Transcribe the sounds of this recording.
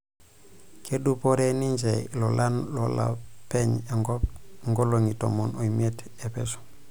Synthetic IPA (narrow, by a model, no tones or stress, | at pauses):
kʰedupoɾenind͡ʒḛlolanlola̰peɲe | ŋɡoloŋito̰monojmiet | epeso̥